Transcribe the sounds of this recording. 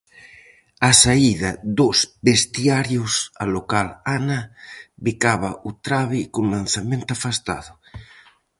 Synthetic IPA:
asaiðaðozbest̪jaɾjosalokalanabikaβaʔut̪ɾaβikoŋlanθamẽnt̪oafast̪a̰ðʊ

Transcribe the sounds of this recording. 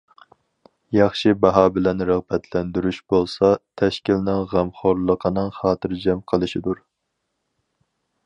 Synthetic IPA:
jɑχʃibɑɦɑːbɪlɛnɾəʁbɛt̪ʰlɛnd̪yɾyʃb̥olˠsɑt̪ʰɛʃkʲilnɪŋʁæmχoɾlˠəqʰənɨŋχɑːt̪ʰɨɾd͡ʒɛmqʰəlˠɨʃid̪uɾ

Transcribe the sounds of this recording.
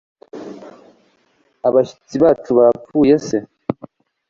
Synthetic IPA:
aβaʃi̥t͡siβaːt͡ʃuβafuːje̞se̞

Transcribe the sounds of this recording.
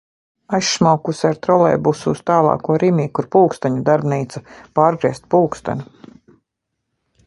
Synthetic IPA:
ajʃːmawkusaɾt̪ɾɔlˠɛ̰jbusuːst̪aːlˠɑ̰ːkuɔɾimiːkuɾpuːkst̪aɲud̪aɾbniːt̪sapaːɾɡɾiɛst̪̚puːkst̪a̰nʲu

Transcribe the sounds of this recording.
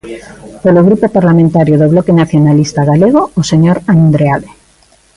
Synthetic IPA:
poloɣɾupopaɾlamẽnt̪aɾjoðoβ̞lokenaθjonalist̪aɣaleɣ̞oːseɲoɾannd̪ɾeaðe

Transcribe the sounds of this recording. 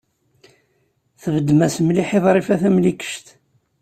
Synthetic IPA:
θəvəd̪ːmæsəmliħeðˤɾˤifæθæmlikːə̥ʃt̪

